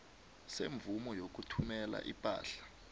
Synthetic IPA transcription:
seɱb̪vumɔjok̬utʰumɛla̰ʔipʼa̰ːɬḁ

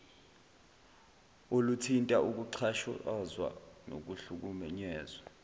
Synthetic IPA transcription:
olutʰintʼaʔuk̬ʼuǀʰaʃɔzwa̰no̰k̬uɬuk̬umɛɲɛːzwa

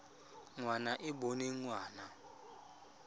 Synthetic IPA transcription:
ŋwanaʔɪɓɔneŋwaːna

